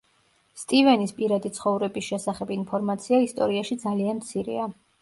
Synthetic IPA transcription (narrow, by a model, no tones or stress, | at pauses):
st̪ʼivɛnispʼiɾad̪it̪sʰχɔvɾɛbisʃɛsaχɛbinpʰɔɾmat̪sʰiaist̪ʼɔ̰ɾiaʃid̪zalianmt̪sʰiɾḭa